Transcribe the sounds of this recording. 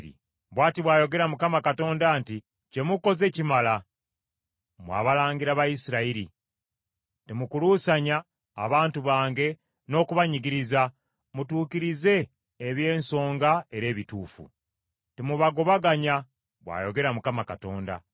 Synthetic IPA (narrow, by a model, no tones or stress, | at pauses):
ɾḭ | βwaːtiβwaːjo̞ɡe̞ɾamukamakato̞ːndaːnti | ce̞muko̞ze̞cimala | mwa̰ːβalaːŋɡiɾaβajisiɾaiɾi | temukuluːsaɲa̰ː | βaːntuβaːŋɡe̞ | no̞ːkuβaɲiɡiɾiza | mutuːkiɾize̞ː | βje̞ːnso̞ːŋɡae̞ɾe̞ːβituːfṵ | temuβaɡo̞βaɡaɲa | βwa̰jo̞ɡe̞ɾamukamakato̞̰ːnda̰